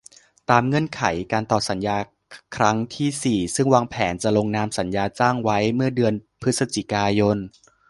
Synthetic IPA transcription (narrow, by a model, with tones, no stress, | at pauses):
t̪aː˧mŋɤ˧˥˩nkʰa˩˦jkaː˧nt̪ɔː˨˩sa˩˦njaː˧ | kʰɾa˦˥ŋt̪ʰiː˥˩siː˨˩sɯ˥˩ŋwaː˧ŋpʰɛː˩˦nt͡ɕa˨˩ʔlo˧ŋnaː˧msa˩˦njaː˧t͡ɕaː˥˩ŋwa˦˥jmɯ˥˩ɐdɯ˧ənpʰɯ˦˥t̪̚sa˧t͡ɕi˨˩kaː˧jo˧n